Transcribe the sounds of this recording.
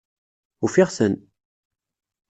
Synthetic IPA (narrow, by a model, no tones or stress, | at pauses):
ufiʁsən